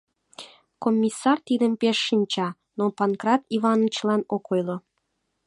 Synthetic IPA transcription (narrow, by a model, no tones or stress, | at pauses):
komʲːisːɑrt̪id̪əmpeʃːinʲt͡ɕɑ | nopɑnkrɑt̪ivɑnət͡ɕlɑnokojlo